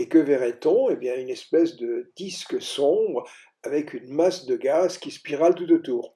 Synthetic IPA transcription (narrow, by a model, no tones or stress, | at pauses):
ekəvɛʁɛt̪ɔ̃ebjɛ̃ynɛspɛsd̪əd̪̥isksɔ̃bʁ | avɛkʰynmasd̪əɡazkʲispiʁalt̪ut̪ot̪uːʁ